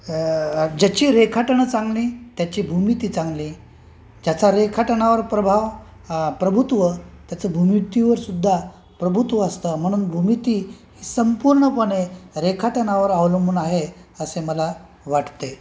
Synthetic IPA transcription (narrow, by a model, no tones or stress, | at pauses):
d͡ʑat͡ɕiːɾekʰaʈəɳət͡sãŋɡliːt̪jat͡ɕiːbʱumit̪iːt͡sãŋɡliː | d͡ʑat͡saɾekʰaʈəɳaʋəɾpɾəbʱaʋ | pɾəbʱut̪ʋət̪jat͡səbʱumit̪iʋəɾsud̪ʱːa | pɾəbʱut̪ʋəəst̪əm̤əɽ̃uːnbʱumit̪iːɦiːsəmpuɾɳəpəɽeɾekʰaʈəɳaʋəɾaʋləmbuːnaɦeəseməla | ʋaʈt̪e